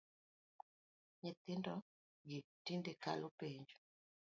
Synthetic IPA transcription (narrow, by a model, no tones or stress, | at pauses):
ɲɛt̪ɪndɔ | ɡitindeka̰lʔopeɲd͡ʒu̥